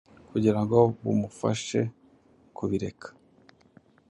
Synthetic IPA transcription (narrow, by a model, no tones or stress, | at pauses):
kuɟiɾaŋɡo̞βumufa̰ʃe̞ | kʰuβiɾe̞kʰḁ